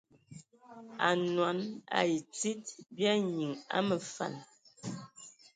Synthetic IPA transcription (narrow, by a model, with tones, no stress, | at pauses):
a̰˨nwa˨˦na̰˨ji˨t͡si˦t̚bja˦ɲi˨ŋa̰˦mə˨fa̰˨n